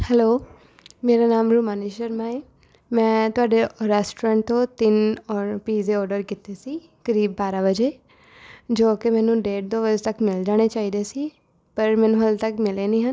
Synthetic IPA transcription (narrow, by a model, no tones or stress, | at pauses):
hɛloː | meːɾaːnaːmɾuːmaːniːʃəɾmaːiː | mɛ̃ːt̪ʊaːɖeɾɛːsʈoɾãːɳʈ̚t̪õːt̪ɪnɔːpiːzeːɔːɾɖəɾkiːt̪eːsiː | kəɾiːbːaːɾaːbəd͡ʒeː | d͡ʒoːkemɛ̃ːnũːɖeːʈ̚d̪oːbəd͡ʒt̪əkmɪld͡ʒaːɽ̃eːt͡ʃaːiːd̪eːsiː | pəɾmɛ̃ːnũːɦəlt̪əkmɪleːnĩːɦən